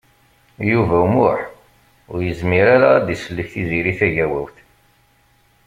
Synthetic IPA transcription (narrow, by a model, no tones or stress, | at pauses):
juvæumʊħ | ʊɾjəzmiɾaɾad̪isəlːəçθiziɾiθæʝæwæwθ